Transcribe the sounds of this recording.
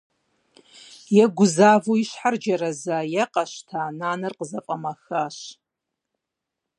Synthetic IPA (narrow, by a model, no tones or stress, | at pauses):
jɛɡʷʊzaːvoiɕħard͡ʒɐɾɐzaːjɛqʼɐʃtʰaːnaːnɐrqəzɐpʼɐmɐxaɕ